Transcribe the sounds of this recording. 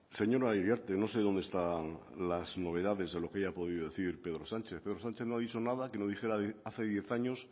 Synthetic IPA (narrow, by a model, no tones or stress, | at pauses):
se̞ɲo̞ɾaiɾjaɾt̪eno̞se̞ðond̪est̪a | lazno̞β̞e̞ðaðe̞zðe̞lo̞keaʝapo̞ð̞iðoðeθiɾpe̞ðɾosant͡ʃeθpeðɾo̞sãnt͡ʃeθnoaðit͡ʃo̞naðakenoðixe̞ɾaaθe̞ðje̞θaɲos